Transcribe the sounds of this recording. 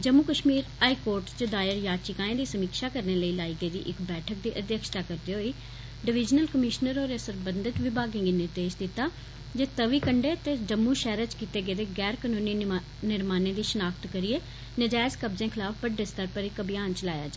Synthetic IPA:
d͡ʒəmːuːkəʃmiːɾaːiːkoːɾʈt͡ʃəd̪aːjəɾjaːt͡ʃɪkãːẽːd̪iːsəmiːkʃaːkəɾneːləiːlaːiːɡəiːd̪ḭːʔɪkbɛːʈʰək̚d̪iːʔəd̪jəkʃt̪aːkəɾd̪eːɦoːiː | ɖɪʋɪd͡ʒnəlkəmɪʃnəɾoːɾesəɾbənd̪ət̪ʋɪbʱaːɡɪ̃ːŋɡiːnɪɾd̪eːʃd̪ɪt̪ːaː | d͡ʒeːt̪əʋiːkəɳɖeːt̪eːd͡ʒəmːũːʃɛːɾət͡ʃkiːt̪eːɡeːd̪eːɡɛːɾkənoːniː | nɪɾmaːnẽːd̪iːʃənaːkt̪kəɾieː | nəd͡ʒaːɪskəbzẽːkʰɪlaːfʰbəɖːeːst̪əɾpəɾɪkəbjaːnt͡ʃəlaːja̰ːd͡ʒaː

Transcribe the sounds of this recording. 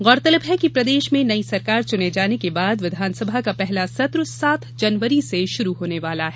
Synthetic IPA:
ɣɔːɾt̪ɐləbɦɛkipɾɐd̪eːʃmẽnɐisɐɾkaːɾt͡ʃʊned͡ʒaːnekebaːd̪ʋɪd̪ʱaːnsɐbʱakapɛɦlasɐt̪ɾsaːt̪ʰd͡ʒɐnʋəɾiseʃʊɾuɦoːneʋaːlaɦɛː

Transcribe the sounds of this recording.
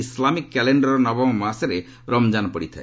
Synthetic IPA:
islamikːɛleɳɖɔɾɔnɔbɔŋmasɾe | ɾɔmd͡ʒanɔpɔɽit̪ʰae

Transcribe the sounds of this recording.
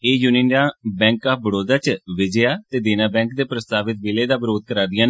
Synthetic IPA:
eːjuniːnãːbɛ̃ːŋkaːbəɽoːd̪aːt͡ʃʋɪd͡ʒejaːt̪eːd̪eːnaːbɛ̃ːŋk̚d̪eːpɾəst̪aːʋɪt̪̚ʋɪːleːd̪aːbəɾoːd̪̚kəɾaːd̪ɪjãːn

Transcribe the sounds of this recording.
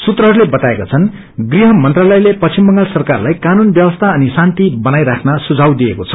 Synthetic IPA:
sut̪rʌɦʌɾulebʌt̪aekat͡sʰʌn | ɡriɦʌmʌnt̪ralʌjlepʌst͡simbʌŋɡalsʌrkarlajkanunbjʌbʌst̪ʰaʌnisant̪ibʌnajɾakʰnasud͡zʱawd̪iekot͡sʰʌ̥

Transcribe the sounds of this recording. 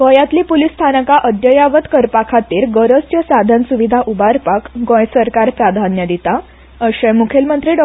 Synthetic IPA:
ɡɔ̃jat̪liːpulist̪ʰanəkaʔəd̪jəjaʋət̪kəɾpakʰat̪iːɾɡəɾəst͡ɕjəsad̪ʱənsuʋid̪ʱaʔubaɾpakɡõjsəɾkaɾpɾad̪ʱanjəd̪it̪a | əɕɛ̃mukʰelmənt̪ɾiːɖɔ

